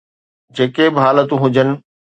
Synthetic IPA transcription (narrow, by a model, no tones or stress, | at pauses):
d͡ʑeːkebɪɦaːlət̪ũɦʊd͡ʑənɪ̆